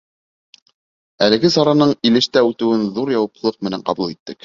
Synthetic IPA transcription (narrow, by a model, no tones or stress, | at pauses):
ælɘ̆ɡɘsɑɾɑnɤɴilɘ̆ʃt̪æʉt̪ɘ̆wɘnðuɾjɑwɑplˠɤq̚mɘ̆næɴqɑ̰bulˠit̪ːɘk